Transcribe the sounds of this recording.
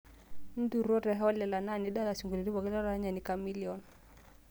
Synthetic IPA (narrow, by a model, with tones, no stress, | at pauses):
n̩˦du˨ɾɔ˦ɾɛ˨ɦɔ˦lɛ˨la˨na˦˨ni˦da˦la˨su˨ŋɡu˨li˨ɾi˦βɔ˨kɪ˦la˦ɾa˦ɲa˨ni˨ka˦mi˦li˨ɔ˨n